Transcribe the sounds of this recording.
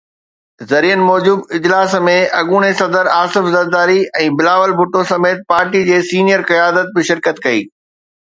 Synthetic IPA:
zɐɾiːənɪ̆mɔːd͡ʑuːbɪd͡ʑlaːsmẽʔɐɠuːɽ̃esɐd̪əɾaːsɪfzɐɾd̪aːɾiɛ̃ːbɪlaːʋəlbʱʊʈosɐmeːt̪̚paːɾʈid͡ʑeːsiːnijəɾqɐjaːd̪ət̪̚bɪʃɪɾkət̪kɐḭː

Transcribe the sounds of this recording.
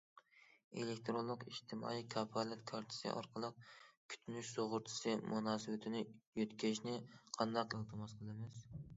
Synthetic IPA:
ḛlekʲt̪ʰɾolˠːʊqiʃt̪ʰɪmɑ̰ːikʰɑpʰɑlɛt̪kʰɑɾt̪ʰɪ̥sɨ̰ʔɑ̰ɾqʰəlˠəq̚kʲʰy̥t̪ʰynyʃsoʁʊɾt̪ʰɨ̥sɨmʔunɑːsɨwɪt̪ʰɪnɪjøt̪kʲʰeɾɪʃnɪqʰɑnd̪ɑqelˠt̪ʰɨmɑsqʰəlˠɨmɪz

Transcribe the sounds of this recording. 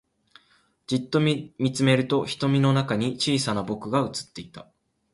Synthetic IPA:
d͡ʑit̪ːo̞mʲit͡sɨme̞ɾɯ̟t̪o̞çi̥t̪o̞mʲino̞nakaɲ̟it͡ɕiːsanabo̞kɯ̟ɡaɯ̟t͡sɨ̥t̪ːe̞it̪a

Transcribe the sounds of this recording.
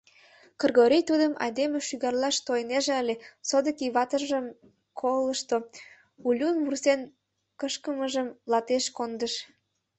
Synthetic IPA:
kə̆rɣoɾʲijt̪ud̪əmɑ̰jd̪emeʃyɣɑrlɑʃt̪ojneʒeəlʲesod̪ə̆kiβɑt̪əʒəm | kʰoləʃt̪o | ulʲunβursen | kəʃkəməʒəmlɑt̪eʃkond̪əʃ

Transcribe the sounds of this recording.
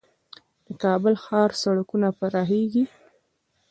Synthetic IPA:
d̪̥əkɑbəlxɑɾsaɽakunapaɾɑɦeɡi

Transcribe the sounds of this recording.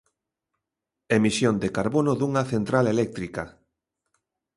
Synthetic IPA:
emisjond̪ekaɾβonʊðuŋaθent̪ɾalelɛk̚t̪ɾika

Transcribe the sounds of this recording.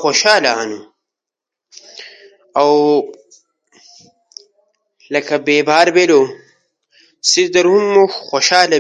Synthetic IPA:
xoʃaːlɐanu | ɐw | lɐkɐbeːbaːɾbelo | sid̪ɐɾhumːuxoʃaːlɐ

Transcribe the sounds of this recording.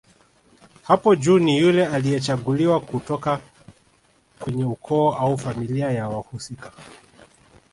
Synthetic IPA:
hapɔd͡ʒuːnijulɛalijɛt͡ʃaɠuliwakutɔka | kwɛɲɛukʰɔːʔaufamiliajawahusikḁ

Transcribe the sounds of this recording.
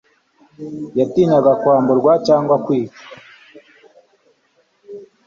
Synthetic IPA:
jatiːnaɡakwaːmboɾɡwat͡ʃaːŋɡwakwiːkḁ

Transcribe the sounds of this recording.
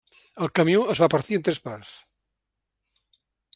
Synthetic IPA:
əlˠkəmjoəzβapəɾt̪iənt̪ɾespaɾs

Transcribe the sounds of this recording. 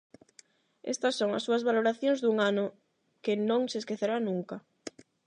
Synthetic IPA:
ḛst̪asːoŋa̰sːuɐzβaloɾaθjõŋzðuŋanʊ | kɪnõŋseskeθeɾanũŋka

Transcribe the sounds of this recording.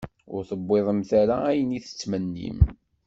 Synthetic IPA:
ʊ̰ɾθəbːeðˤəmθæɾaæjəniθə̥t͡sːmənːḭm

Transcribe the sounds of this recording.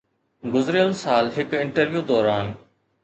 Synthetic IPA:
ɡʊzɾɪjəlsaːlɦɪkɪɳʈəɾʋjuːd̪ɔːɾaːn

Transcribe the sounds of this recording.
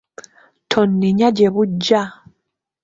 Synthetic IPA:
tʰonːiɲaɟeβuɟːa

